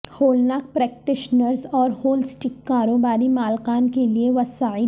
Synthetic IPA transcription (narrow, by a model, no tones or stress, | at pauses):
hoːlnaːk̚pɾɛːk̚ʈɪʃnəɾzɔːɾhoːlsʈɪkːaːɾoːbaːɾimaːlkaːnkelieʋɐsaːi